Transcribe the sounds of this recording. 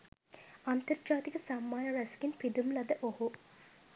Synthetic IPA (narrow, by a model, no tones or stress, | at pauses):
ɐnt̪ərd͡ʒaːt̪ikəsamːaːjɐɾɛskinpid̪umlɐd̪əʔohu